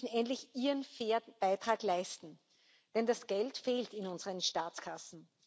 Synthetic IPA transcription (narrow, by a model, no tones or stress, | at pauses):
sn̩ɛntlɪçiːʁənfeɐb̥aɪtʁ̥aːklaɪstn̩ | d̥ɛndasɡ̥ɛltfeːltɪnʊnzəʁənʃtaːt͡skʰasn̩